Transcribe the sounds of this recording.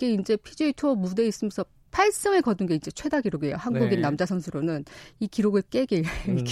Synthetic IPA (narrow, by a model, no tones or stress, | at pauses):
ke̞ind͡ʑe̞pʰid͡ʑeitʰomude̞is͈ɯmjʌnsʰʌ | pʰaɭs͈ɯŋekʌdɯnɡe̞ind͡ʑe̞t͡ɕʰwe̞daɡiɾoɡiejo̰hanɡuɡinːamd͡ʑasʰʌŋsʰɯɾonɯnikiɾoɡɯɭk͈e̞ɡe